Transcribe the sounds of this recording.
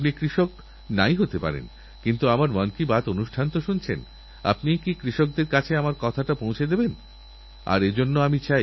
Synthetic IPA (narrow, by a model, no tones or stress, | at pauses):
pnikɾiʃok | najɦot̪epa̰ɾḛn | kint̪uamaɾmankibat̪onuʃʈʰant̪oʃunt͡ɕʰḛn | a̰pnikikɾiʃok̚d̪eɾkat͡ɕʰeamaɾkɔt̪ʰaʈapõw̃t͡ɕʰed̪eben | a̰ɾed͡ʑonːoamit͡ɕaj